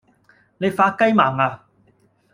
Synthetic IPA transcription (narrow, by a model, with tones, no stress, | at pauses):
ne˨˧jfaː˧kɐ˥jmaː˨˩ŋaː˧